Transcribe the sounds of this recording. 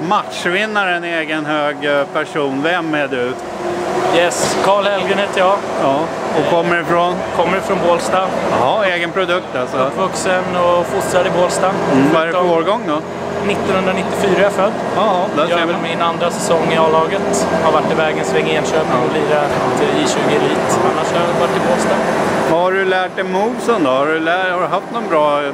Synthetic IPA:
mat̪ʂvɪnːaɾəɛneːɡənɦøːɡpʰæʂuːnvɛmːæɖɵ | jɛskʰɑːɭhɛlɡɾənheːt̪ʰːəjɑɑːɔkʰɔmːəɾɪfɾɔnkʰɔmːəɾɪfɾɔnboːlst̪ahɑːeːɡənpʰɾʊd̪ɵk̚t̪alsɔʈvɵksənɔfʊsɾad̪ɪboːlst̪amvaɛɾɛoːɾɡɔŋːd̪ɔ | nɪt̪ːɔnhɵnd̪ɾanɪt̪ːɪfyːɾajafœd̪ː | d̪ajɑvɪlmɛɛnand̪ɾasɛsɔŋːɪɑːlɑːɡət̪haɾvaʈːɪvɛːɡənsvɛŋːaeːnɕøːpnanɔliːɾat̪ʰɪɕʉ̟ːɡɪliːt̪anːaʂavaʈːɪboːlst̪ɑahaɖɵlæːʈ̚ɛmuːsənd̪ɔhaɾɵlæhaɾɵɦaft̪nɔnbɾɑː

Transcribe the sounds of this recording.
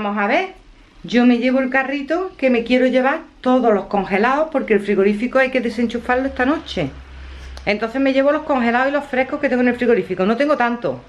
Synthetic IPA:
amosaβe̞ɾ | ʝo̞me̞ʝe̞βoelkarit̪oke̞me̞kje̞ɾoʝe̞βaɾt̪o̞ðolo̞hko̞ŋxe̞laohpo̞ɾkelfɾiɣo̞ɾifikoajke̞ðe̞se̞ɲt͡ʃufaloe̞st̪ano̞t͡ʃe̞ | ent̪o̞nθeme̞ʝe̞βolo̞hko̞ŋxe̞laosilo̞fɾe̞hkohket̪eŋɡonelfɾiɣo̞ɾifikono̞t̪e̞ŋɡot̪ant̪o̰

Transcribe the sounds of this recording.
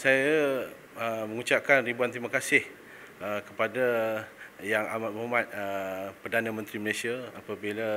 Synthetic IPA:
saja | əmə̃ŋut͡ʃap̚kanribuant̪imakasɪh | əkəpada | jaŋamat̪̚mamãt̪̚əpərdanãmə̃nt̪ɾiməlesiaapabila

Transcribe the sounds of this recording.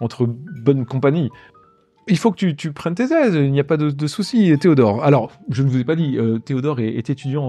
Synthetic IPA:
ɑ̃t̪χəbɔnkɔ̃paɲi | ilfokət̪yt̪ypχɛnt̪ezɛzilnijapad̪əd̪əsusit̪eod̪ɔʁalɔʁʒənəvuzɛpad̪iøt̪eod̪ɔʁɛet̪et̪yd̪jɑ̃

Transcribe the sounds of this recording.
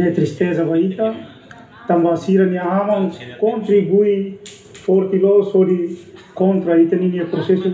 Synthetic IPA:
et̪ɾist̪ezavait̪ə | t̪ambasiɾaniaamankont̪ɾibui | foɾt̪ilɔsodikont̪ɾait̪aniniapɾosesu

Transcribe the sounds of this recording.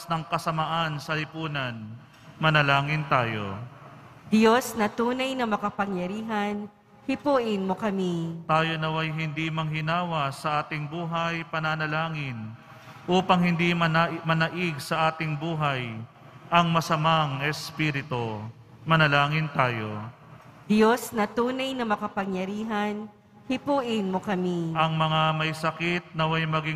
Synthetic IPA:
snɐŋkɐsɐmaʔansɐlɪpuːnɐn | mɐnɐlaːŋɪnt̪aːjo̞̰ | d̪josnɐt̪uːnɐjnɐmɐkɐpɐŋjɐɾiːɦɐn | hɪpuːʔɪnmokɐmit̪aːjonɐwɐjɦɪnd̪imɐŋɦɪnaːwɐsɐʔaːt̪ɪŋbuːɦɐjpɐnaːnɐlaːŋɪn | ʔuːpɐŋhɪnd̪imɐnamɐnɐʔɪɡ̚sɐʔaːt̪ɪŋbuːɦɐj | ʔɐŋmɐsɐmaŋɛspiːɾɪt̪o | mɐnɐlaːŋɪnt̪aːjo̞̰ | d̪jo̞snɐt̪uːnɐjnɐmɐkɐpɐŋjɐɾiːɦɐn | hɪpuːʔɪnmokɐmiʔɐŋmɐŋamɐjsɐkɪt̪̚nɐwajmɐɡi

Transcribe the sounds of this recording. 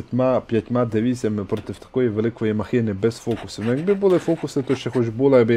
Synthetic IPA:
tʲmapʲjɐtʲmad̪eʋʲisʲɐmɪpɾɔt̪ɪwt̪ɐ̥kɔjiʋelˠɪkɔjimɐxɪnɪbɛzfɔkʊsʊnɔjɐɡbɪbʊlˠɪfɔkʊsɪt̪ɔʃt͡ʃɛxɔt͡ʃbulˠɐjɐɡbɪ

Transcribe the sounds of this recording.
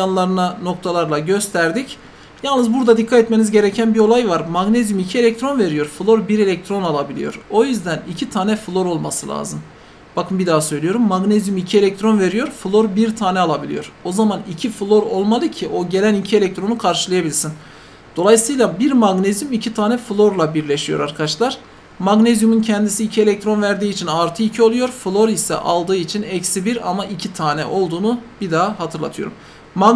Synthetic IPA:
anlˠaɾɯnano̞k̚t̪ʰalˠaɾlˠaɟø̞st̪ʰæɾd̪ic | jalˠnɯzbuɾd̪ad̪ikʰːat̪ɛt̪me̞nizɟe̞ɾɛcʰænbio̞lˠajvaɾmaɡnezymicʰie̞lʲɛc̚t̪ɾo̞nve̞ɾijo̞ɾfulˠo̞ɾbiɾe̞lʲɛc̚t̪ʰɾo̞nalˠabilʲḭjo̞ɾo̞jyzd̪ænicʰit̪ʰaːnɛfɯlˠo̞ɾo̞lˠmasɯlʲˠa̰ːzɯm | b̥akʰɯnbid̪aːsø̞jlʲijo̞ɾumːaɡnezymicʰie̞lʲɛc̚t̪ɾo̞nve̞ɾijo̞ɾfulˠo̞ɾbiɾt̪ʰaːnɛalˠabilʲḭjo̞ɾo̞zamanicʰiflˠo̞ɾo̞lˠmalˠɯcʰiʔo̞ɟe̞lʲænicʰielʲɛc̚t̪ʰɾo̞nukʰaɾʃɯlˠajabilʲisin | d̪̥o̞lˠajsɯjlˠabiɾmaɡnezjumicʰit̪ʰaːnɛfulˠo̞ɾlˠabiɾlʲeʃijo̞ɾaɾkʰat͡ʃlˠaɾ̥ | maɡnezjumuncʰɛnd̪isiːcʰie̞lʲɛc̚t̪ʰɾo̞nvæɾd̪iːt͡ʃʰinaɾt̪ʰɯicʰio̞lˠujo̞ɾfulˠo̞ɾisɛ̰ʔa̰lˠd̪ɯːit͡ʃʰinɛcsibiɾa̰maʔicʰit̪ʰaːnɛ̰ʔo̞lˠd̪uːnub̥id̪aːɦat̪ʰɯɾlˠa̰t̪ʰɯjo̞̰ɾum | ma

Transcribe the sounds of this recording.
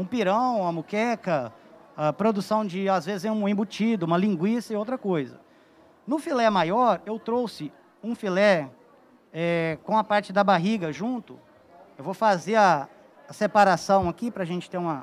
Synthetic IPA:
ũpiɾɐ̃w̃ɐmukɛkɐapɾod̪usɐ̃w̃d͡ʒɪazvezɪzɛ̃ũẽbut͡ʃid̪ʊũmɐlĩɡwisɐiowt̪ɾɐkojzɐ̰ | nʊfilɛmajɔɾewt̪ɾowsɪ | ũfilɛ | ɛkõw̃ɐpaɾt͡ʃɪd̪ɐbaɦiɡɐʒũnt̪ʊ | ewvowfazeɾɐː | sepaɾasɐ̃w̃akipɾɐaʒẽnt͡ʃɪ̥t̪eũmɐ

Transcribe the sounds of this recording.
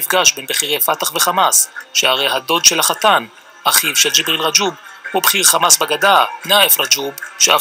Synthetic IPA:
ifɡaʃbenbeχiʁejfat̪aχveχamasʃeaʁejɦad̪o̞d̪ʃe̞laχatan | ʔaχivʃeld͡ʒibʁilʁad͡ʒub̚hubχiʁχamasbaɡadanaefʁad͡ʒubʃea

